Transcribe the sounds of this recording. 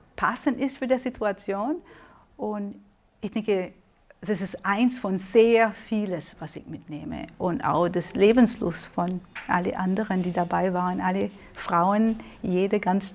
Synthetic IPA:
pʰasəntɪstfyːɐdeːɐzitʰuat͡sjoːn | ʔʊnt | ɪçd̥ɛŋkə | d̥asɪstʔaɪnsfɔnz̥eːɐfiːləsv̥asɪ̰çmɪtneːmə̰ʔʊnta̰ʊxd̥asleːbn̩slʊ̰sfɔnʔa̰lə̰ʔandəʁəndiːdabaɪvaːʁənʔalə | fʁ̥aʊənjeːdəɡant͡s

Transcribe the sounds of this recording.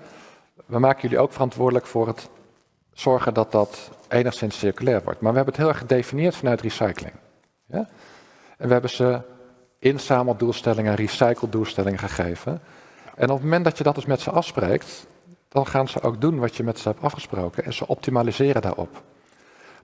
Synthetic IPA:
ʋəmaːkəjɵliʔowkfərɑntʋʊːɹdələkfʊːrət | sɔɹχəndɑt̚dɑtʔejnəχsɪnsːɪɹkylɛːɹʋɔ̰ɹtmaːɹʋəɦɛbənətɦɪːlˠɛχədejfinijɪːɹtfɑnœɥtrisɑjkəlɪ̰ŋ | ɛ | ɛnʋəɦɛbənz̥ə | ʔɪnsaːməlˠdulˠstɛlɪŋənrisajkəlˠdulˠstɛlɪŋəχəχejvən | ʔɛnɔpmomɛntdɑtjədɑtɪsmɛtsəʔɑfsprḛjkt | d̥ɑnχaːnz̥əʔo̰wk̚dunʋɑtjəmɛtsəɦɛp̚tɑfχəsprowkənɛ̰nz̥əʔɔp̚timaːlizɪːɾəda̰ːɹɔ̰p

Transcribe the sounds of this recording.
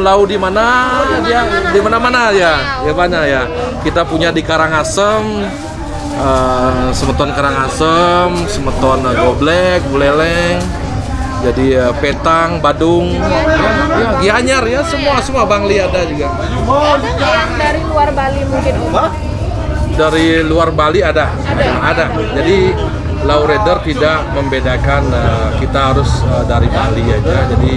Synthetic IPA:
laudimanaaadimanamanajajabaɲakja | kit̪apuɲadikaɾaŋasəm | əsəmət̪ɔnkaɾaŋasəmsəmət̪ɔnɡoblɛk̚bəlelɛŋ | d͡ʒadiəpet̪aŋbadʊŋ | jaɲarjasəmuasəmuabaŋliadad͡ʒuɡa | aaŋdaɾiluarbalimuŋkɪn | daɾiluarbaliada | aada | d͡ʒadi | lawɾedərt̪idaʔməmbedakanəkit̪aɦaɾʊsədaɾibaŋliad͡ʒad͡ʒadi

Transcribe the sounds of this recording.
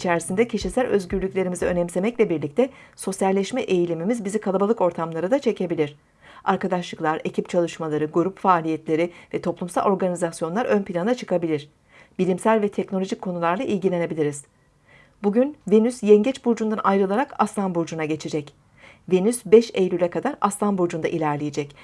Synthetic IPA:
it͡ʃʰæɾisind̪ɛcʰiʃisælʲø̞zɟyɾlʲycʲlʲe̞ɾimiziø̞nɛmse̞mɛclʲɛbiɾlʲic̚t̪ʰɛso̞sjalʲːɛʃmɛʔe̞jilʲimimizbizikʰalˠabalˠɯko̞ɾt̪ʰamlˠaɾɯd̪at͡ʃʰe̞cʰe̞bilʲiɾ̥ | aɾkad̪aʃlˠɯklˠaɾe̞cʰip̚t͡ʃʰalˠɯʃmalˠaɾɯɡuɾupfaːlʲijɛt̪lʲe̞ɾɪvɛt̪ʰo̞plˠumsa̰lʲˠo̞ɾɡanizasjo̞nlˠaɾø̞npʰilʲand̪at͡ʃʰɯ̥kʰabilʲiɾ̥ | bilʲimsælʲvɛt̪ʰɛcnolʲo̞ʒickʰːo̞nulˠaɾlˠaʔilʲɟilʲe̞ne̞bilʲiɾiz̥ | buɟynvenysjɛɲɟɛt͡ʃbuɾd͡ʒund̪anajɾɯlˠaɾakaslˠanbuɾd͡ʒunaɟe̞t͡ʃʰed͡ʒɛc | venysbɛʃejlʲylʲɛkʰad̪aɾaslˠanbuɾd͡ʒund̪aʔilʲæɾlʲejed͡ʒɛc

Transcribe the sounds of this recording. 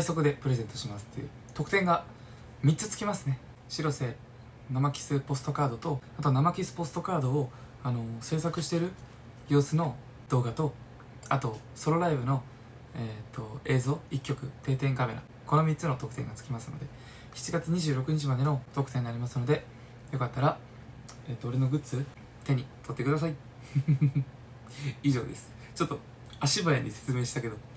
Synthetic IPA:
d̪aiso̞kɯ̟d̪e̞pɯ̟ɾe̞zẽ̞nt̪o̞ɕimasɨ̥t̪ːḛjɯ̰ | t̪o̞kɯ̟t̪ẽ̞ŋɡa | mʲit̪t͡sɨt͡sɨ̥kʲimasɨne̞ | ɕiɾo̞se̞ | namakʲi̥sɨpo̞sɨ̥t̪o̞kaːd̪o̞t̪o̞at̪o̞namakʲisɨ̥po̞sɨ̥t̪o̞kaːd̪o̞ː | ano̞se̞ːsakɯ̟ɕi̥t̪e̞ɾɯ̟ | jo̞ːsɨno̞ | d̪̥o̞ːɡat̪o̞ | a̰t̪o̞ | so̞ɾo̞ɾaibɯ̟no̞ | et̪ʰːo̞e̞ːzo̞ːikʲːo̞kɯ̟t̪e̞ːt̪ẽ̞ŋkame̞ɾa̰ | ko̞no̞mʲitt͡sɨno̞t̪o̞kɯ̟t̪ẽ̞ŋɡat͡sɨ̥kʲimasɨno̞̰d̪e̞ | çi̥t͡ɕiɡat͡sɨɲ̟iʑɨːɾo̞kɯ̟ɲ̟it͡ɕimad̪e̞not̪o̞kɯ̟t̪ẽ̞ɲ̟inaɾʲimasɨno̞d̪e̞ | jo̞kat̪ːaɾa | eːt̪ːoːɾeno̞ɡɯ̟t͡sɨ | t̪e̞ɲ̟it̪o̞t̪ːe̞kɯd̪as̬ai | iʑo̞ːd̪e̞sɨ̥ | t͡ɕo̞t̪ːo̞ | aɕibaeɲ̟ːise̞̥t͡sɨme̞ːɕi̥t̪ake̞d̪o̞

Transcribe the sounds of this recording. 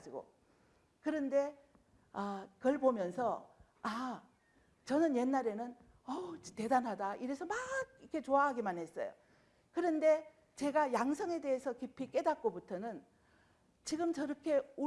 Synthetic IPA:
d͡ʑiɡo̰ | kɯɾʌnde̞ | akʌɭbomjʌnsʰʌ | a | t͡ɕʌnɯnje̞nːaɾe̞nɯn | ʌte̞danɦadaiɾesʰʌmaɡ̚ikʰe̞t͡ɕoaɦaɡimanɦe̞s͈ʌ̰jo̰ | kɯɾʌnde̞ | t͡ɕe̞ɡajaŋsʰʌŋe̞de̞ɦesʰʌkipʰik͈e̞dat̚k͈obutʰʌnɯn | t͡ɕiɡɯmt͡ɕʌɾʌkʰe̞u

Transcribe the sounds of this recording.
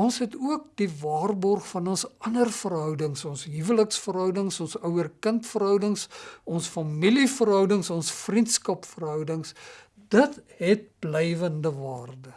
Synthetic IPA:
ɔnsɦɛtuək̚divɑːrbɔrχfɐnɔnsɐnərfərɦœwdəŋsɔnsɦivələksfərɦœwdəŋsɔnsœwərkəntfərɦœwdəŋsɔnsfɐmilifərɦœwdəŋsɔnsfrintskɐpfərɦœwdəŋs | d̥ətɦɛt̚blɛjvəndəvɑːrdə

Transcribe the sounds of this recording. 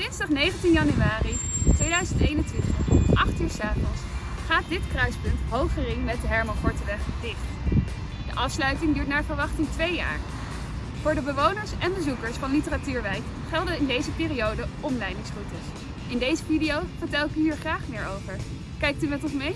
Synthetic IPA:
dɪnstɑχnejχəntinjɑnyaːritʋejdœɥzəntejnəntʋɪntəχʔɑχtyːsaːpəlˠsχaːt̚dɪtkrœɥspɵntɦowχərɪŋmɛt̚dəɦɛɹmɑnkɔɹtəʋɛχdɪχt | d̥ə̰ʔɑfslœɥtɪŋdyːɹtnaːvəɹʋɑχtɪŋtʋeja̰ːɹ | v̥ʊːɹdəbəʋownəɹsɛnbəzukəɹsfɑnlitəratyːɹʋɛjk | χɛlˠdəɪndejzəpɪːriowdəʔɔmlɛjdɪŋsrutəs | ɪndejzəvidiowvəɹtɛlˠɪkyɦiːɹχraːχmɪːɹowvəɹ | kɛjk̚tymɛtɔnsmej

